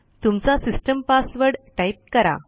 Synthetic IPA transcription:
t̪umt͡sasisʈəmpasʋəɾɽʈaip̚kəɾa̰

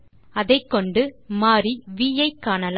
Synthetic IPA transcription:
ɐðɐɪkːɔɳɖɯmaːɾiʋiːjɐɪkːaːnɐl

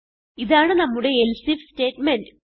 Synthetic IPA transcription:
iðaːɳɨnɐmːuɽe̞elsifste̞ːʈːmendɨ

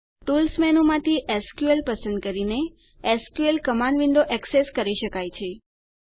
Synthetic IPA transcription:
ʈulsmɛnumãt̪ʰiʔɛskjuelpəsə̃nd̪̚kəɾine | ɛskjuelkəmãnʋɪ̃nd̪oʔɛkseskəɾiʃəkajt͡ʃʰe

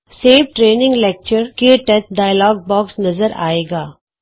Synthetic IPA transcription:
seːfʈɾeːnɪ̃ŋɡlɛːk̚t͡ʃəɾkeʈɛt̪ɖaːjəlɔːɡ̚bɔːksnɐzəɾa̰ːeːɡaː

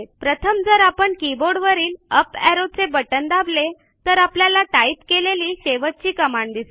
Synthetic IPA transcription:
pɾət̪ʰəmd͡zəɾapəɳkiboɽʋəɾiːləpɛɾod̪̚t͡sebəʈənd̪able | t̪əɾapljalaʈait̪keleliːɕeʋət̪̚t͡ɕiːkəmaɳd̪ise

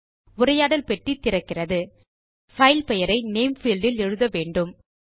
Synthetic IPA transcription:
ʊɾɐjaːɽɐlpɛʈrit̪ːɪɾɐkːɪrɐðɯ | fɐɪlpɛjɐɾɐɪneɪmfɪːlɖɪlɛɻɯðɐʋeːɳɖɯm

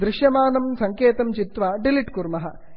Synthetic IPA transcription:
d̪ɾɪʃjɐmaːnɐmsɐŋkeːt̪ɐmt͡ʃit̪ʋaɖiliʈkuɾmɐɦɐ

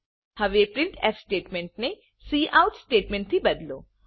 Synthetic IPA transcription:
hɐʋepɾɪɳʈɛ̰ssʈeːʈmẽɳʈ̚ne | siːʔaʊʈsʈeːʈmẽɳʈ̚t̪ʰibɐd̪lo̰ː

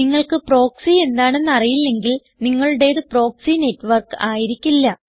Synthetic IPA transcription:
niŋːɐɭkɨpro̞ːksie̞nd̪aːɳe̞nːɐrijilːe̞ŋɡil | niŋːɐɭɨɽe̞ːðɨpro̞ːksine̞tːʋɐrkɨaːjiɾikʲːilːɐ

